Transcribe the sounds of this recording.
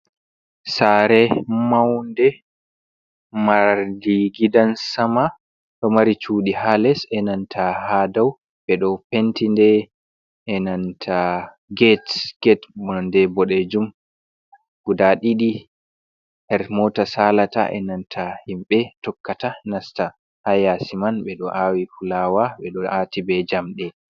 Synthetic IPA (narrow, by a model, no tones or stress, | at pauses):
saɾɛmawndɛ | maɾdiɡidansama | ɗɔmaɾit͡ʃuːɗihalɛsɛnantʰahadaw | bɛɗɔpentindɛ | ʔːnantʰa | ɡɛtɡ̥ɛtbɔndɛbɔɗɛd͡ʒum | ɡ̥udaɗiɗi | hɛɾmɔtasalata̰ʔɛ̰nantʰahimɓɛtɔkːatanasta | hajasimanɓɛɗɔʔawifulawaɓɛɗɔaːtibɛd͡ʒamɗɛ